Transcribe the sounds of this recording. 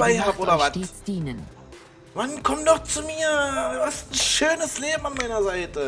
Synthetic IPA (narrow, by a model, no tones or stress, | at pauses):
aɪhaʔoːdɐad̥iːsd̥iːnən | vankʰɔmtdɔχt͡sumiːɐvastn̩ʃøːnəsleːbm̩anmaɪnɐzaɪtə